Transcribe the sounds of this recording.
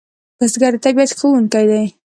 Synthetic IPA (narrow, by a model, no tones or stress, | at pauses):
basɡaɾt̪abad̪xəwuŋkajd̪aj